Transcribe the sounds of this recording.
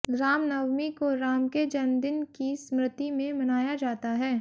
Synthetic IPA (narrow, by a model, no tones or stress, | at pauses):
ɡɾaːmnɐwmikoɾaːmked͡ʒɐnd̪ɪnkismɾɪt̪imẽmɐnaːjad͡ʒaːt̪aɦɛː